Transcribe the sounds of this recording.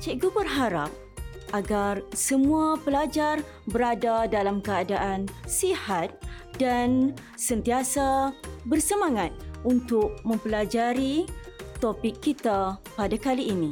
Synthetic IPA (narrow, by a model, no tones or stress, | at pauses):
t͡ʃaɡubərɦaɾa̰p̚ | ʔaɡarsəmũapəlad͡ʒar | bəɾadadalamkəadaʔansihat̪̚ | dan | sənt̪iasabərsəmaŋat̪̚unt̪ʊk̚mə̃mpəlad͡ʒaɾit̪opɪkːit̪apadakaliːni